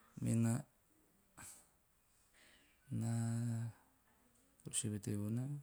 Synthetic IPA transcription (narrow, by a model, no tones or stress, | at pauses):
mena | na | ɾuseβeteβona